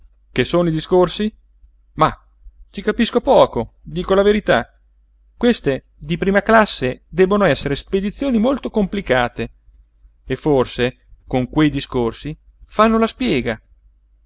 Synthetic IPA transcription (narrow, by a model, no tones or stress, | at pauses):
kesoːnoid̪iskorsi | ma | t͡ʃikapiskopɔːkod̪iːkolaveɾit̪a | kwest̪e | d̪ipɾiːmaklasːed̪ɛbːonoɛsːeɾesped̪it̪sːjoːnimolt̪okomplikaːt̪e | efːorse | koŋkwejd̪iskorsi | fanːolaspjɛːɡa